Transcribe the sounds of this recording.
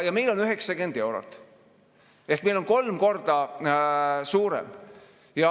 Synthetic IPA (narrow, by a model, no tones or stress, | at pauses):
jɑme̞jlo̞nyɦeksɑkend̪̥e̞wɾo̰t̪ːˑ | e̞hkmelo̞nko̞lmko̞rd̪̥ɑ | suːɾḛm | jɑ